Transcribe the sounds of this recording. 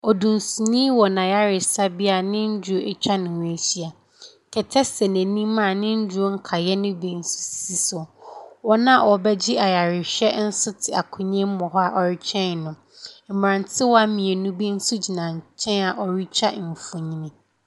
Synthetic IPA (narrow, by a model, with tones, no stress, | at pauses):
ɔ˨dũ˨n˨su˨nĩː˦wɔ˨nã˨ja˦ɾɪ˨sa˦bi˦a˨nɪ̃˦ɲ̩˦d͡ʑʊ˨˦o˦ʔe˦t͡ɕᶣa˦nʊ̃˨w̃æ˨ɕi˦a˨ | kʰɛ˨tʰɛ˦sɛ˨næ̃˨nĩ˦mã˦˨nɪ̃˦ɲ̩˦d͡ʑʊ˦o˦ŋ̩˦kʰa˨jɛ˦nʊ̃˦bi˦n̩˦su̥˨ssi˨sʊ˨wɔ˦nã˦˨wɔ˨bɛ˦d͡ʑɪ˦a˨ja˨ɾɪ˨ɕᶣɛ˦n̩˦sʊ˦tʰɪ˨a˨kʰʊ̃˨ɲɛ̃˦m˦mɔ̃˨ɦɔ˦a˦˨ʔɔ˨ɾɪ˦t͡ɕʰɛ̃˦n˨nʊ̃˨ | m̩˨m˨ɾã˨ntʰɪ˦wɔ˦a˦mĩ˨e˨nʊ̃˦bi˦n̩˦sʊ˦d͡ʑi˨nã˨ɲ˨t͡ɕʰɛ̃˦na˨ʔɔ˨ɾi˦t͡ɕʰᶣa˦˨m̩˨fʊ̃˨ɲĩ˦nĩ˨